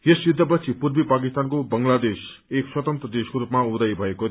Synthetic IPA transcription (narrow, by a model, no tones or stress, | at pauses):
jesːid̪ʱːʌp̬ʌsʰipurbipakist̪ankobʌŋlad̪es | ekswʌt̪ʌnt̪ɾʌd̪eskoɾupmaud̪ajbʱʌeko